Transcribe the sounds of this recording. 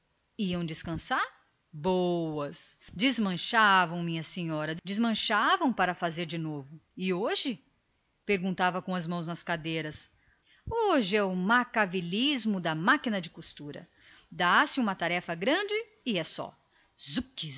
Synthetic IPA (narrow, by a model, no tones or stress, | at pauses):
iɐ̃w̃d͡ʒɪskɐ̃saɾ | bowɐsd͡ʒɪzmɐ̃ʃavɐ̃w̃mĩɲɐseɲɔɾɐd͡ʒɪzmɐ̃ʃavɐ̃w̃paɾɐfazeɾd͡ʒɪnovʊɪoʒɪ | peɾɡũnt̪avɐkõɐzmɐ̃w̃znɐskad̪ejɾɐs | oʒɪɛʊmakavilizmʊd̪ɐmakinɐd͡ʒɪkust̪uɾɐ̰ | d̪asɪũmɐt̪aɾɛfɐɡɾɐ̃d͡ʒɪ | ɪɛsɔ̰ | zuki